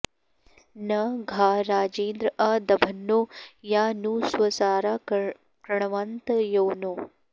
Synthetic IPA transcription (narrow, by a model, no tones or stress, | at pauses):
nɐɡʱaːɾaːd͡ʒeːnd̪ɾɐʔɐd̪ɐbʱɐnːoːjaːnuːswɐsaːɾa | kɾɐɳ̃ɐʋaːnt̪ɐjoːnoː